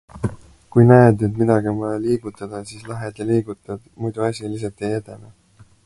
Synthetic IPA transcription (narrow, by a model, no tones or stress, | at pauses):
kujnæed̪et̪̬mid̪ɑɡ̥iemɑliːɡ̥ut̪ːˑɑd̪̥ɑsiːslɑɦed̪eliːɡut̪ːˑɑd̪̥mujd̪̥uɑsʲilis̬ɑt̪ejet̪ene